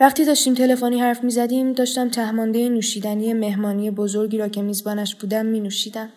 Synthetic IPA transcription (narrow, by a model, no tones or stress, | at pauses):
væχt̪iːd̪ɒːʃt̪iːmt̪ʰe̞le̞foniːhæɾfmiːzæd̪iːmd̪ɒːʃt̪æmt̪ʰæhmɒːnd̪ejenuːʃiːd̪æniːje̞me̞hmɒːniːje̞bo̞zo̞ɾɟiːɾɒːcʰe̞miːzbɒːnæʃbuːd̪æmːiːnuʃiːd̪æm